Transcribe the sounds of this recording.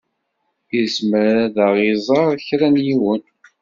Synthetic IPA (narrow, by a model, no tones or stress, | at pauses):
ismɾæðəʁizˤɑɾˤçɾænjiwən